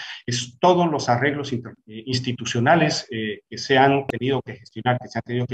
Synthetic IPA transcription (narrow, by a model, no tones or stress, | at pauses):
est̪o̞ðozlo̞sare̞ɣlo̞sinins̬t̪it̪usjo̞nalesekeseant̪e̞niðoke̞xest̪jo̞naɾkeseant̪e̞niðoke